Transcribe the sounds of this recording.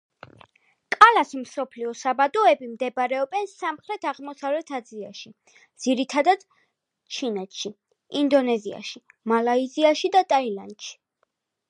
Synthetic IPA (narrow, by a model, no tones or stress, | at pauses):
kʼalasimsɔpʰliɔsabad̪ɔɛbimd̪ɛbɾɛɔbɛnsamχɾɛt̪ʰaʁmɔsavlɛt̪ʰad̪zia̰ʃi | d̪z̥iɾit̪ʰad̪ad̪̥ | t͡ʃʰinɛt̪ʰʃi | ind̪ɔnɛzia̰ʃi | malaiziaʃid̪at̪ʼailand̪ʃi̥